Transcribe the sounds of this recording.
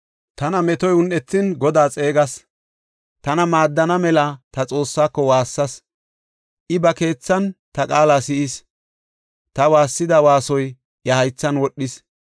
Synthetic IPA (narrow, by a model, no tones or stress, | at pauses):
t̪ɐnɐmɛt̪ɔjʊnʔɛt̪ːɪnɡɔd̪aːt͡sʼe̞ːɡɐs | t̪ɐnɐmaːd̪ːɐnɐmɛlɐt̪ɐt͡sʼo̞ːsːaːkːɔwaːsːɐs | ʔɪbɐke̞ːt͡sːɐnt̪ɐkʼaːlaːsɪʔɪs | t̪ɐwaːsːɪd̪ɐwaːsɔj | ʔjɐhɐjt͡sːɐnwɔɗːɪs